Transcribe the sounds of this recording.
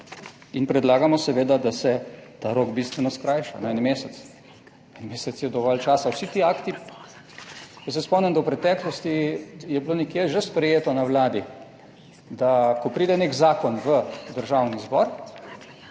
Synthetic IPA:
inpɾɛd̪laːɡamɔsɛʋeːd̪ad̪asɛt̪aɾoːɡbist̪ʋɛnɔskɾajʃa̰nɔɛnmeːsɛt̪s | ɛnmeːsɛsjɛd̪ɔʋɔlt͡ʃaːsawsit̪iːaːkt̪i | kɔsɛspɔmnɛnd̪ɐwpɾɛt̪ɛklɔst̪ijɛblonɛkjeʒɛspɾɛjeːt̪ɔnawlaːd̪i | d̪akɔpɾiːd̪ɛnekzaːkɔnʋəd̪əɾʒawnizbɔɾ

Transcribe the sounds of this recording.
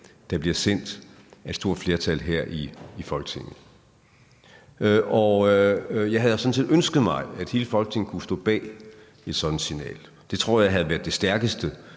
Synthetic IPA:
d̥ɑ̈b̥liɐsen̰d̥ | æ̥sd̥o̝ɐ̰̥fle̝ːɐt͡sʰælɦeɐ̰ʔiːfɒ̽lɡ̥ət͡sʰe̝ŋ̰ð̩ˠ | ʔɒ | jɑ̈ɪɦæð̩ˠsɒ̽nsḭð̥ˠønsɡ̥ð̞̩ˠmɑ̈ɪæd̥he̝ːləfɒ̽lɡ̥ət͡sʰe̝ŋn̩kʰusd̥ɔ̰ːb̥ɛ̰ː | e̝d̥sɒ̽d̥n̩sinɛ̰ːl | d̥e̝t͡sʰʁo̝ɐ̰jɑ̈ɪɦæð̞̩ˠʋæɐð̥ˠd̥e̝sd̥æɐɡ̥əsd̥ə

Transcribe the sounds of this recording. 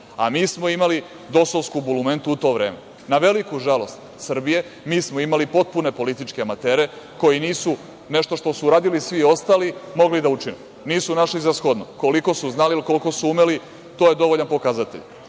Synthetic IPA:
a̰miːsmo̞imali | d̪o̞soʋskubulume̞nt̪uut̪o̞ːʋɾe̞ːme̞ | naʋe̞likuʒalo̞st̪ | sr̩bije̞ | miːsmoimalipo̞t̪̚pune̞po̞lit̪it͡ʃkeamat̪e̞ːɾe̞ | ko̞jiniːsu | ne̞ʃt̪o̞ʃt̪o̞suːɾaːd̪ilisʋio̞st̪aːlimo̞ɡlid̪aut͡ʃinḛm | niːsunaʃlizasxod̪no̰ko̞liko̞suznaliilko̞lko̞suumeli | t̪oːjed̪o̞ʋoʎanpo̞kazat̪eʎ

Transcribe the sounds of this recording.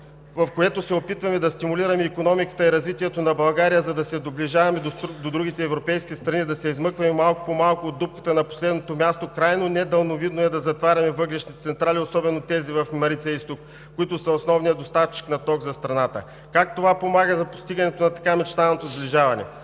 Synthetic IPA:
vɐfkoɛt̪osɛopit̪vɐmɛd̪ɐst̪imuliɾɐmɛikonɔmikə̥t̪əiɾɐzvit̪iɛt̪onɐbɐlˠɡaɾijəzɐd̪ɐsɛd̪obliʒavɐmɛd̪od̪od̪ɾuɡ̟ʲit̪ɛːvɾopɛjskʲist̪ɾɐnid̪ɐsɛizmɤkvɐmɛmalˠkʊ̥pomalˠkoːd̪ːup̚kə̥t̪ənɐpo̥slɛd̪not̪omʲjast̪okɾajnonɛd̪ɐlˠnovid̪noɛd̪ɐzɐt̪vaɾʲɐmɛvɤɡlɛʃnit̪ɛt̪sɛnt̪ɾaliosɔbɛnot̪ɛzivɐfmɐɾit̪sɛist̪ok | kːoit̪ʊsɐosnɔvnijəd̪ost̪aft͡ʃi̥knɐt̪ɔɡzɐst̪ɾɐnat̪ə̰ | kak̚t̪ovapomaɡəzɐpo̥st̪iɡɐnɛt̪onɐt̪ɐ̥kamɛt͡ʃt̪aɛlˠnot̪ozbliʒavɐnɛ̰

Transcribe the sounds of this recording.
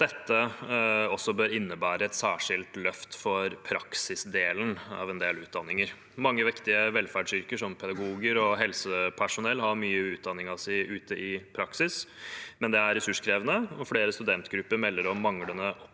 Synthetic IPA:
d̪̥ɛt̪ːə | ɔsːɔbøːɾɪnːəbæːɾəɛt̪sæːʂɪlt̪lœft̪fɔɾpʰɾɑksɪsd̪eːlənɑ̰ʋɛnd̪eːlʉːt̪̚d̪ɑnːɪŋəɾ | mɑŋːəʋɪkt̪ɪəʋɛlfæɖʂʏɾkəʂɔmpʰɛd̪ɑɡuːɡəɾɔɦɛlsəpʰæʂʊnɛlːɦɑɾmyːəʉːt̪̚d̪ɑnːɪŋɑʋsæɪʔʉːt̪əʔɪpʰɾɑksɪsmɛnd̪ɛæɾɛsʉʂkʰɾeːʋənəɔfleːɾəst̪ʉd̪ɛnt̪ɡɾʉpːəɾmɛlːəɾɔmːɑŋlənəɔ

